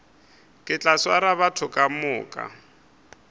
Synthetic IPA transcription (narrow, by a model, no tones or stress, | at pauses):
kʼɪt͡ɬʼaswaɾaβatʰʊkʼamʊːkʼa̰